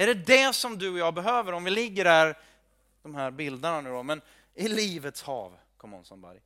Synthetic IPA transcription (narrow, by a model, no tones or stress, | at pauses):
æɖɛd̪ɛsɔmd̪ɵɔjɑːbɛɦøːvəɾɔmvɪlɪɡːəɾæɾ | d̪̥ɔmhæɾbɪld̪əɳanʉ̟ːd̪ɔmɛn | ɪliːvət̪shɑ̰ːv | kʰɔmːɔ̰nsɔnba̰ɾj